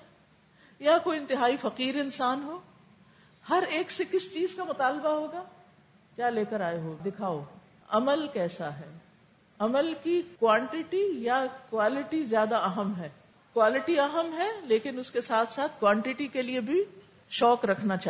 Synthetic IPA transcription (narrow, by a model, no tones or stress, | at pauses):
jakoːiɪ̃nt̪ɪɦaːifɐqiːɾɪnsaːnɦoː | hɐɾeːksekɪst͡ʃiːzkamʊt̪aːlbaɦoːɡaː | kjaːleːkəɾaːeɦoːd̪ɪkʰaːo | ɐməlkɛːsaɦɛː | ɐməlkikwãːɳʈɪʈijakwaːlɪʈizjaːd̪aɐɦəmɦɛː | kwaːlɪʈiɐɦəmɦɛleːkɪnʊskesaːt̪ʰsaːt̪ʰkwãːɳʈɪʈikeliebʱi | ʃɔːkɾɐkʰnat͡ʃaː